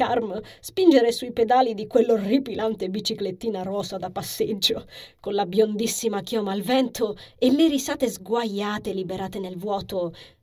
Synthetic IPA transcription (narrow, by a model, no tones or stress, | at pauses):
armspind͡ʒeɾesuiped̪aːlid̪ikwelːoripilʔant̪ebit͡ʃiklet̪ːiːnaɾɔːsad̪apːasːed͡ʒːokonlabjond̪isːimakjɔːmaːlvɛnt̪oelːeɾisaːt̪ezɡwajːaːt̪elibeɾaːt̪enelvwɔːt̪o